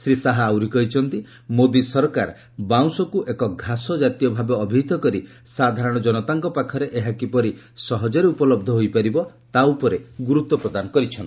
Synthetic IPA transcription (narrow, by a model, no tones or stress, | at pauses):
sɾisaɦaːwɾikɔit͡ʃʰɔnt̪i | mod̪isɔɾkaɾ | baw̃sɔkuʔekɔɡʱasɔd͡ʒat̪ijɔbʱabeɔbʱiit̪ɔkɔɾi | sad̪ʱaɾɔɽ̃ɔd͡ʒɔnɔt̪aŋkɔpakʰɔɾeʔeɦakipɔɾisɔɦɔd͡ʒɔɾeupɔlɔb̚d̪ʱɔɦojpaɾibɔ | t̪aupɔɾeɡuɾut̪ːɔpɾɔd̪anɔkɔɾit͡ʃʰɔn